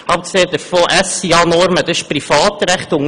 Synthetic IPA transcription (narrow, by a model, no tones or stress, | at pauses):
ɑp̚kseːd̪əfoːʔæsiɑnɔɾməd̥̪əɪʃpɾifɑːt̪ɾæχt̪ʊŋ